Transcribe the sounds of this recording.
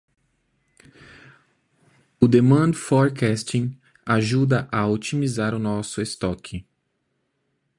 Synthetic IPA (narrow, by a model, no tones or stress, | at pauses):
ʊd̪emɐ̃nd̪ʊfɔɾkɛst͡ʃĩ | aʒud̪ɐʔɐut͡ʃimizaɾʊnɔsʊest̪ɔkʰɪ